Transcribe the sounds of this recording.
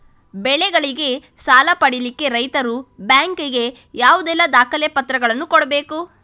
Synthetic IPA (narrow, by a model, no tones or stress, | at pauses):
bɛɭɛɡɐɭiɡe̞ | saːlɐpɐɽilikːeɾɐjt̪ɐɾubjaːŋkiɡe̞ | jaːʋud̪ɛlːɐd̪aːkɐlepɐt̪ɾɐɡɐɭɐnːukɔɽɐbeːku